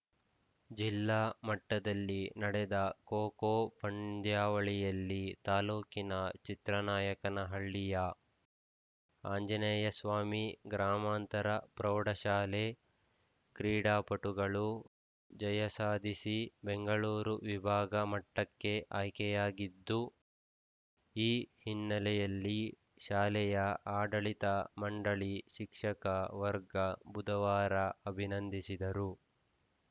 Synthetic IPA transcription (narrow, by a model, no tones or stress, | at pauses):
d͡ʒilːaːmɐʈːɐd̪ɐlːinɐɽɛd̪ɐkoːkoːpʰɐɳd̪jaːʋɐɭijɐlːit̪aːluːkinɐt͡ʃit̪ɾɐnaːjɐkɐnɐɦɐɭːijɐ | aːɲd͡ʒɐnɛːjɐsʋaːmiɡɾaːmaːnt̪ɐɾɐpɾɐːɽɐʃaːleː | kɾiːɽaːpɐʈuɡɐɭu | d͡ʒɐjɐsaːd̪ʱisibeŋɡɐɭuːɾuʋibʱaːɡɐmɐʈːɐkːe̞ʔaːjkɛjaːɡid̪ːu | iːhinːɐlɛjɐlːi | ʃaːlɛjɐaːɖɐɭit̪ɐmɐɳɖɐɭiʃikʂɐkɐʋɐɾɡɐbud̪ɐʋaːɾɐɐbʱinɐnd̪isid̪ɐɾu